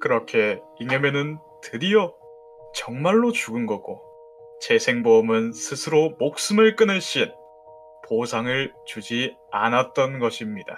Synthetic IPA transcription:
kɯɾʌkʰe̞ | iŋʌme̞nɯn | tʰɯɾijʌ | t͡ɕʌŋmaɭːot͡ɕuɡɯnɡʌɡ̥o | t͡ɕe̞sʰe̞ŋbomɯnsʰɯsʰɯɾomok̚s͈ɯmɯɭk͈ɯnɯɕ͈in | posʰaŋɯɭt͡ɕud͡ʑi | a̰nat̚t͈ʌnɡʌɕʰimɲida

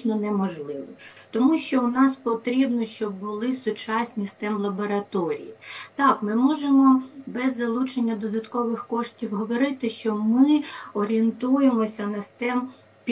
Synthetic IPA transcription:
t͡ʃnɔnɛmɔʒlˠɪʋɪt̪ɔmuʃt͡ʃɔʊnɑspɔt̪ɾʲibnɔʃt͡ʃɔbːʊlˠɪsʊt͡ʃɑsʲnʲist̪ɛmlˠɐbɔɾɐt̪ɔɾʲḭjit̪ɑkmɪmɔʒemɔbɛzːɐlˠut͡ʃenʲːɐd̪ɔd̪ɐt̪kɔʋɪxkɔʃtʲiwɦɔʋɔɾɪt̪ɪʃt͡ʃɔmɪɔɾʲient̪ujemɔsʲɐnɐst̪ɛm | pʲ

